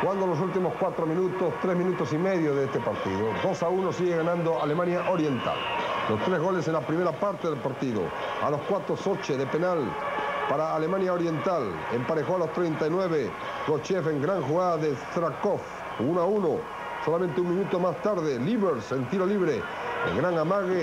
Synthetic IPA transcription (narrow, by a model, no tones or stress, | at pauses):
xuɣand̪olo̞sult̪imoskwat̪ɾo̞mĩnut̪o̞st̪ɾe̞zmĩnut̪o̞sime̞ðjoðeest̪e̞paɾt̪ḭðod̪o̞sauno̞siɣeɣanãnd̪o̞ʔalemãnjaʔo̞ɾje̞nt̪a̰llo̞st̪ɾe̞zɣo̞le̞se̞nlapɾime̞ɾapaɾt̪eðelpaɾt̪iðo̰ | a̰lo̞skwat̪ɾoso̞t͡ʃeðe̞pe̞nalpaɾaːle̞mãnjao̞ɾje̞nt̪al | empaɾe̞xoalo̞st̪ɾejnt̪ajnwe̞β̞e̞ | ɡo̞t͡ʃe̞fe̞ŋɡɾaŋxuɣaðaðeθɾako̞f | unoauno | so̞lamẽnt̪euŋmĩnut̪o̞mast̪aɾðeliβeɾse̞nt̪iɾo̞liβɾe̞ | ḛŋɡɾaŋamaɣe